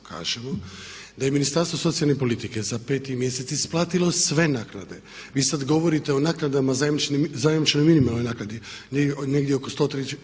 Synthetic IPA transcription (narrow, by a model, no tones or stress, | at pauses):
kʰa̰ːʒemo | d̪ajeminist̪aɾst̪ʋoso̞t̪sijalne̞po̞lit̪ike̞zape̞ːt̪imje̞se̞t̪sisplˠaːt̪ilo̞sʋe̞naːkna̰d̪e̞ | ʋiːsad̪ɡo̞ʋo̞ɾit̪e̞onaːknad̪amazajemt͡ʃnizajemit͡ʃnojminimalˠnojnaːknad̪ineneɡd̪jeokost̪o̞t̪ɾet͡ʃ